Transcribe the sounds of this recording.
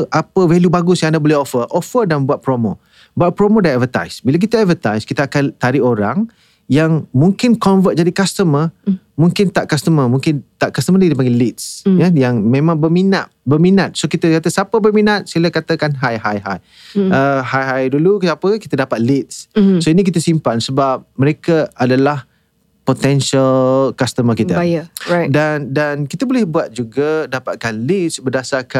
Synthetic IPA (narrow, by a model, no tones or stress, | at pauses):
ʔapəvɛljubaɡʊsjãŋandabolɛhofəʔɔfədanbuat̪̚pɾomo̰ | buat̪̚pɾomodaɛtvət̪a̰jsbilak̬it̪əɛt̚vət̪ajskit̪əakant̪aɾɪoɾaŋ | jaŋmũŋkɪnkɔnvət̪̚d͡ʒadikast̪əmə | mũŋkɪnt̪aʔkast̪əməmũŋkɪnt̪aʔkast̪əmədidipaɡɛlit̪̚sjajaŋmẽmãŋbərmina̰t̪̚bərminat̪̚sokit̪əkat̪asapəbərminat̪̚silakat̪akanɦajɦajɦaj | əɦajɦajdulukapəki̥t̪ədapat̪̚lit̪̚ssoinik̬it̪asimpansəbap̚məɾekaadalah | pot̪ɛnsalkast̪əmakit̪aajədandankit̪əbolɛhbuat̪̚d͡ʒuɡadapat̪̚kanlit̪sbərdasarka